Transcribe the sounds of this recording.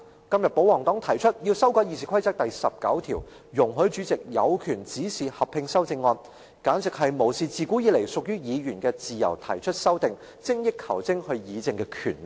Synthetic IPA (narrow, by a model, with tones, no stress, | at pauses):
kɐ˥mjɐ˨t̚po˨˥wɔː˨˩ŋt̪ɔː˨˥ŋt̪ʰɐ˨˩jt͡ʃʰɵ˥t̚jiː˧wsɐ˥wkɔː˨˧ji˨˧siː˨kʷʰɐ˥jt͡sɐ˥k̚t̪ɐ˨jsɐ˨p̚kɐ̰˨˥wt̪ʰḭː˨˩w | jʊ˨˩ŋɦɵ˨˥t͡ʃyː˨˥t͡sɪ˨k̚jɐ˨˧wkʰyː˨˩nt͡siː˨˥siː˨hɐ˨p̚ʰɪ˧ŋsɐ˥wt͡sɪ˧ŋːɔː˧n | kaː˨˥nsɪ˨k̚ɦɐ˨jmo˨˩wsiː˨t͡siː˨˧kuː˨˥jiː˨˧le˨˩jsʊ˨k̚jyː˥jiː˨˧jyː˨˩nkɛː˧t͡siː˨jɐ̰˨˩wt̪ʰɐ̰˨˩jt͡ʃʰɵ˥t̚sɐ˥wt̪ɪ˨ŋ | t͡sɪ˥ŋjɪ˥kʰːɐ˨˩wt͡sɪ˥ŋhɵ˧ɥjiː˨˧t͡sɪ˨˧ŋkɛː˧kʰyː˨˩nl̚